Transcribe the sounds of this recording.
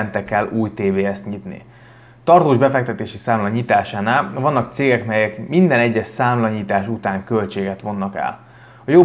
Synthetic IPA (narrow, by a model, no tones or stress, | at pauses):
nt̪ɛkɛluːjt̪eːveːɛst̪ɲit̪nḭ | t̪ɒrt̪oːʒbɛfɛk̚t̪ɛt̪eːʃisaːmlɒɲit̪aːʃaːnaːlvɒnːɒk̚t̪seːɡɛkmɛjɛkmind̪ɛnɛɟːɛʃsaːmlɒɲit̪aːʃut̪aːŋkølt͡ʃeːɡɛt̪ʋo̞nːɒkɛ̰l | ɒjo